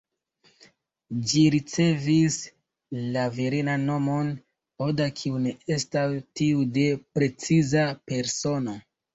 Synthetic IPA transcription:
d͡ʒiɾit͡se̞vis | laveɾinaːo̞mo̞n | odakʰiune̞e̞stastiude̞pɾe̞t͡sizape̞ɾso̞no̞

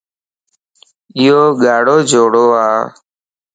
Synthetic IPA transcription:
ɪːoːɠaːɽoːd͡ʒʱoːɽoːaː

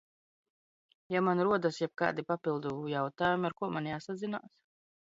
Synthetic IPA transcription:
jamanɾuɔd̪asjɛb̚ka̰ːd̪ipapilˠd̪ujawt̪aːjumiaɾkuɔmanjaːsad̪zina̰ːs

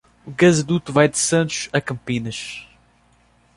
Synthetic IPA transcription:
uɣɐzɐd̪ut̪uvajd̪ɨsɐ̃nt̪u̥ʃɐkɐ̃mpinɐʃ

